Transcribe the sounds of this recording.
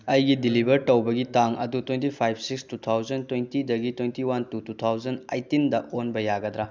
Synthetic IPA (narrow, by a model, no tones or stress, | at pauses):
ɐjɡidilibɐɾtɐwbɐɡitaŋɐ̰dutwentipʰajbsikstut̪ʰawzɐntwejntidɐɡitwejntiwantutut̪ʰawzɐnɐjtindɐonbɐjaɡɐdɾa